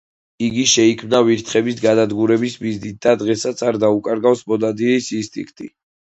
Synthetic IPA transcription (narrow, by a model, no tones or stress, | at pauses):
iɡiʃɛikʰmnaviɾt̪ʰχɛbisɡad̪ad̪ɡuɾɛbismiznit̪̚d̪̥ad̪ʁɛsat̪sʰaɾd̪aukʼaɾɡavsmɔd̪ad̪iɾisist̪ʼḭkʰt̪ʼḭ